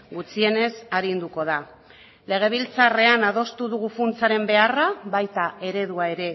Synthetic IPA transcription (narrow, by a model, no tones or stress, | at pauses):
ɡut͡sie̞ne̞saɾind̪uko̞ð̞a | le̞ɣ̞e̞β̞ilt͡sare̞anað̞o̞st̪uðuɣufunt͡saɾe̞mbe̞araβajt̪ae̞ɾe̞ðuae̞ɾe̞